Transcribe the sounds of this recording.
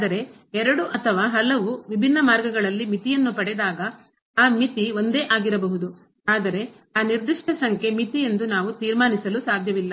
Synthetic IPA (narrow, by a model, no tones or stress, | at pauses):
ad̪ɐɾe̞ | ɛɾɐɽuʔɐt̪ʰɐʋaːɦɐlɐʋuʋibʱinːɐmaːɾɡɐɡɐɭɐlːimit̪ijɐnːupɐɽɛd̪aːɡɐ | aːmit̪iʋo̞nd̪e̞ːʔaːɡiɾɐbɐɦud̪u | aːd̪ɐɾe̞ | aːniɾd̪iʂʈɐsɐŋkʰe̞mit̪ije̞nd̪unaːʋut̪iːɾmaːnisɐlusaːd̪ʱjɐʋilːɐ